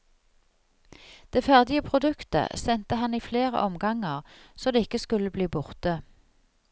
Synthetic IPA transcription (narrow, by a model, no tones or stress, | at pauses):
d̪̥eːfæʁd̪ɪəpʰʁʊd̪ʉkt̪ə̰sɛnt̪əhɑniːfleːʁə̰ʔɔmɡɑŋəʁsoːd̪eːɪkəskʉləbliːbʊʁt̪ə